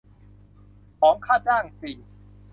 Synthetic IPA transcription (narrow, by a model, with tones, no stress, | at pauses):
pʰɔː˩˦ŋkʰaː˥˩t͡ɕaː˥˩ŋsiː˨˩